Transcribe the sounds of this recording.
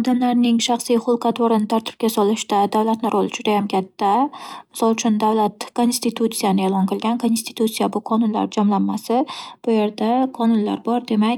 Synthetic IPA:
ɒd̪amlaɾnɪŋʃaχsijχʊlˠqɑt̪ʰoɾɪnɪt̪ʰaɾt̪ʰɪ̥p̚kʲasɒlˠɪʃd̪ad̪avlat̪nɪɾʔolˠɪd͡ʒʊd̪ajamkʲʰat̪ʰːamɪsɒlˠt͡ʃʰʊnd̪avlat̪kʰo̞nst̪it̪ʰut̪sijanɪelˠɒnqɨlˠɡʲankʰo̞nst̪i̥t̪ʰut̪sijabʊqʰɒnʊnla̰ɾd͡ʒɒmlanːasɪb̥ʊje̞ɾd̪aqʰɒnʊnla̰ɾbɒɾd̪e̞makʲ

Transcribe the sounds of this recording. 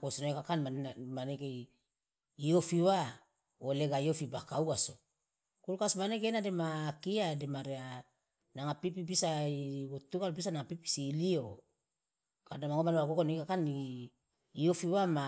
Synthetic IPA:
kosonoikakanmamanekeː | ofiwa | oleɡaiofibakauɡaso | kulkasmanek̬enademaːkiademaɾea | naŋapipibisaiotuɡalbisanaŋapipi̥silio | kadamaŋomanewakokonikakaniː | ofiwama

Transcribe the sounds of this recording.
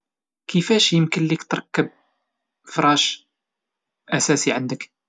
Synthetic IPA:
kəfæʃjəmkənlikt̪ɾˤɑkːəb̚ | fɾˤɑʃ | ʔæsæsiʕənd̪ək

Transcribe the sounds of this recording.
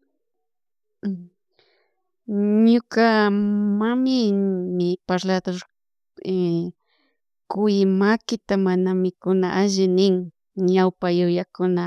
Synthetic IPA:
ɲʊkamamɪmɪpaɾlad̪oɾ | kʊjɪmakɪt̪amanamɪkʊnaʔaʒɪnɪŋ | ɲawpajʊjakʊna

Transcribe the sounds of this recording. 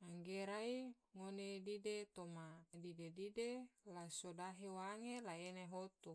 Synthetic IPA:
aŋɡeɾai | ŋonedidet̪omadidedidelasodaɦewaŋelaeneɦot̪u

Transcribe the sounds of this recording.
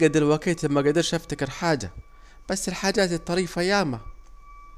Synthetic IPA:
ɡad̪ɪlwakiːt̪lamːaɡad̪ɪɾʃaft̪akɪɾħaːd͡ʒa̰ | b̥asːɪlħaːd͡ʒaːt̪ɪt̪ˤːɑɾiːfajaːma

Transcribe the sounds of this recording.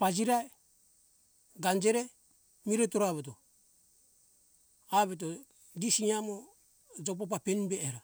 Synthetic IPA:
pad͡ʒiɾae | ɡand͡ʒeɾe | miɾetoɾaβet̬o | aβet̬o | disiɲamo | d͡ʒop̬op̬apenbeːɾa

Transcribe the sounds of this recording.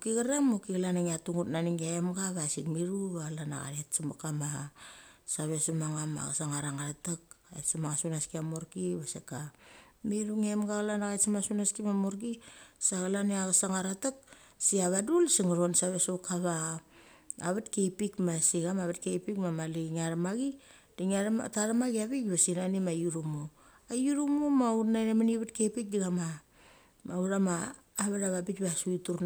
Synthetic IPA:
okiɡaɾaŋmokiɡalanaŋiatuŋutnaniŋɡaemɡaβasikmiɾuβalana̰ɡa̰ɾetsamokama | saβesumaŋama̰ɡasaŋaɾaŋaɾatakaetsamaŋasunaskiamoɾkiβasekamiɾuŋemɡaɣlanaɣajtsamasunaskimamoɾkisaɣalaneaɡasaŋaɾatak̚ | siaβadulsiŋɾo̞nsaβesokaβaː | βatkejpikmasiɡamaβatkejpikmamaliŋaɾamaɡi | d̥iŋaɾ̰taɾamaɡiaβikβasinanimajuɾumo | ajuɾumomautnajɾemaniβatkejpik̚diɡama | mauɾamaː | βaɾaβabikβasuituɾn

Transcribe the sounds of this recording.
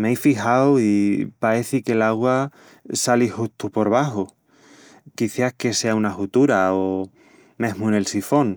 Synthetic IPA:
mejfixawipaɾe̞θike̞laɣwa | salihust̪upo̞ɾβ̞aɦo | kiθjahke̞se̞aunaxut̪uɾao | mẽ̞ɦmune̞lsifo̞ŋ

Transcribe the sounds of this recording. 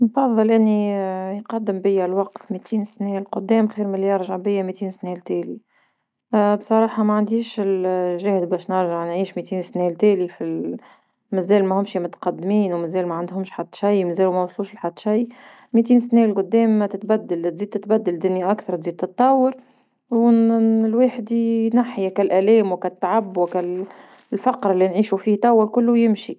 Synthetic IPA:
nfɑðˤːɑlʔɪnːijqɑd̪ːəmbɪjːælwɑqt̪mit̪ʰiːnsnɛlqʊd̪ːɛːmxiːɾmɪljɑɾˤʒaʕbɪjːæmit̪iːnsnɛlt̪ɛːli | bsˤɑɾˤɑːħɑmæʕand̪iːʃɪlʒæhd̪bɛːʃnɪɾʒaʕnʕiːʃmit̪iːnsnɛlt̪ɛːlifi | mɪzɛːlmɛhʊmʃimʊt̪qɑd̪ːmiːnwmɪzɛːlmæʕand̪hʊmʃħad̪ːʃæjmæzɛːlumɛwɑsˤluːʃlħad̪ːʃaj | mit̪̬iːnsnɛlqʊd̪ːɛːmːt̪ɪt̪bæd̪ːalt̪ziːd̪̚t̪ɪt̪bæd̪ːæld̪ɪnːjʔakθɑɾˤt̪ziːd̪̚t̪ɨt̪ˤːɑwːəɾ | wlweːħd̪inaħjakælʔælɛːmwkæt̪ːaʕabːwkæl | lfɑqɾɪlːinʕiːʃufiːht̪ˤːɑwːəɾkʊlːʊjɪmʃi

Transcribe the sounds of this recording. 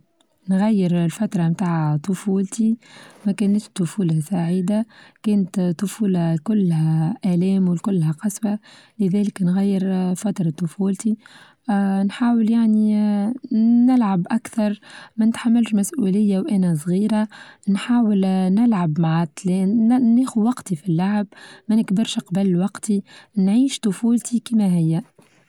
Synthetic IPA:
nɣæjːɪɾlfat̪ɾˤɑmt̪aːʕt̪ˤːʊfuːlt̪imækæːnæt̪ʃt̪ːʊfuːlæsaʕiːd̪akɛːnət̪t̪ːʊfuːlakʊlːhæʔælɛːmwɪlkʊlːhæqɑswa | lɪðɛːlɪknɣæjːɪɾfat̪ɾˤɑt̪ˤːʊfuːlt̪i | nħaːwəljaʕni | nɪlʕabʔakθɑɾˤmænɪt̪ħamːalʃmæsʔulɪjːawʔænæs̬ˤɣiːɾanħaːwɪlnɪlʕabmaʕat̪linæːxuwɑqt̪ifilːaʕbmænɪkbɪɾʃqɑbalwɑqt̪inʕiːʃt̪ʊfuːlt̪ʰikimæɦɪjːæ

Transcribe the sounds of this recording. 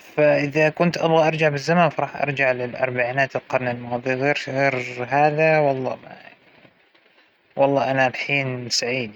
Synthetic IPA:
faʔɪðakʊnt̪ʔɑbɣɑʔɑɾˤd͡ʒaʕbɪzːamaːnfɑɾˤɑːħʔɑ̰ɾˤd͡ʒaʕlɪlʔɑ̰ɾˤbaʕiːnaːt̪ɪlqɑɾˤnalmɑːðˤiɣeːɾɣeːɾɦaːðawɑlˤːɑ̰ːma̰jan | wʔɑlˤːɑːʔanalħiːnsaʕiːd̪

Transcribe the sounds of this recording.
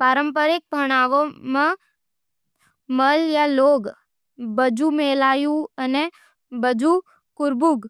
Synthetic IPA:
paːɾə̃mpəɾɪk̚pɐɽ̃aːʋõmẽ | məljaloːɡ | bəd͡ʒumeːlaːjuəne | bəd͡ʒu | kʊɾbuɡ

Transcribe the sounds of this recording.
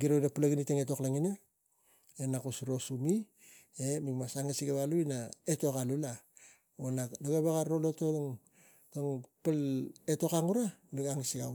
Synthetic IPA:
ɡiɾodapulaɡiniteŋeto̞klaŋina | enakusɾo̞sumi | emikmasaŋesiɡaβaluinaetokalula | onadoɡeβaɡaɾolotoŋ | toŋpaleto̞kaŋuɾamiɡaŋisiɡa

